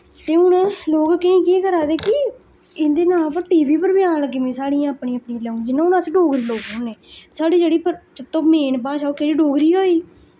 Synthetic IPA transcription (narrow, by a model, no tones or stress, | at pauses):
t̪eːʊnloːkkəĩːkeːkəɾaːd̪eːkɪ | ɪnd̪eːnaːp̬əɾʈiːʋiːpəɾbɪjaːnləɡiːʋẽːsaːɽiːãəːpɽĩːəpniːlɛːũd͡ʒɪnãʊnasɖoːɡɾiːloːkɦoːneːsaːɽiːd͡ʒeːɽiːpəɾt͡ʃət̪ːõːmeːnpãːʃaːoːkeːɽiːɖoːɡɾiːɦoːiː